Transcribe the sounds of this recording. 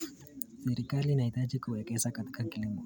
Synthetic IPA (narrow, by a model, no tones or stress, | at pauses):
sɛɾikalinaitad͡ʒikuwɛkɛsakati̥kakilimɔ